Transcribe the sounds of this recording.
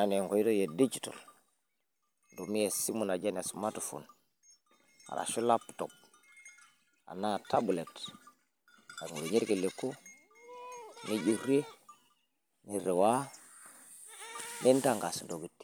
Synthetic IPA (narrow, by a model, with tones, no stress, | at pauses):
a˨neŋko˨i˦to˦je˨di˦d͡ʒito̰˨l | ndomi˦je˨si˦mu˨na˨d͡ʒa˦na˨sma˦tufṵ˨n | ha̰˨ɾa̰˨ʃu˦la˦pu̥to̰b̚ | a̰˨na˦tabu˨le˨t | a˨ŋɡu˨ɾo˨ɲi˦ɾki˨le˨kːu˦ | ni˦ɟi˨ɾe˦ | ni˨ɾe˨wa˦ | ne˦nta˦ŋɡa˨sndo˨ɡi˨tːi̥